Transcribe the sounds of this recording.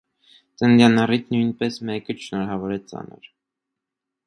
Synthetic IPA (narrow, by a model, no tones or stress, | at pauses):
t͡sənd̪jɑnɑrit͡sʰnujnpɛsmɛkət͡ʃʰʃnɔɾɑvɔɾɛt͡sɑ̰nə̰ɾ